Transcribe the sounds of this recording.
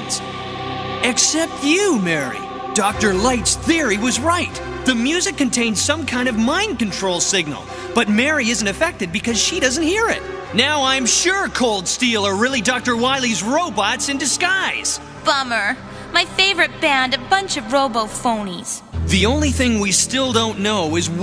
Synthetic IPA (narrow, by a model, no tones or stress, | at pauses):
ɨksɛp̚tɨmɛɹḭ | d̥ɔk̚tə˞laɪtsθɪɹiwʌzɹaɪt̪̚ | ðɨmjʉzɨkːɨ̃ntʰẽɪ̃nz̥sʌ̃mkʰãɪ̃ndʌvmãɪ̃nkɨ̃n̩tʰɹ̥oʊlˠsɪɡ̚nl̩ˠ | b̥ʌt̚mɛɹiɪzn̩tɨfɛk̚tɨd̚bɨkʰʌz̥ʃiɾʌzn̩t̚hiɹɪ̰t̚naʊãɪɨ̃mʃʊɹkʰoʊlˠd̥stilˠə˞ɹɪlˠidɔk̚tə˞waɪlˠizɹoʊbɑtsɨ̃ndɨskaɪz̥ | b̥ʌmə˞ | maɪfeɪvə˞ɨt̚b̥æ̃ndɨbʌ̃nt͡ʃʌvɹoʊboʊfõʊ̃niz̥ | ðiõʊ̃nliθɪ̃ŋwistɪlˠdõʊ̃nːoʊɪz